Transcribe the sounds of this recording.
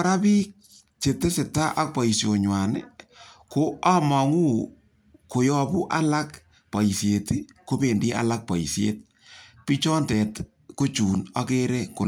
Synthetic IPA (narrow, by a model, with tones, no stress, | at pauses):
ɾa˦pi˦k̚ | t͡ʃe˨te˦se˨ta˦ʔa˦k̚pɔ˨i˨sjo˨ɲwa˨nɪ̰˦ko˦a˦ma˨ŋu˦ | ko˨jɔ˦pu˦ʔa˦la˦k | pa˨i˨sje˨ti˦ko˦pe˨ndi˦ʔa̰˨la˦k̚pa˨i˨sjḛ˦t̚ | pi˦t͡ʃɔ˦ntɛ˨t | ko˦t͡ʃuː˨na˦ke˦ɾe˦ko˨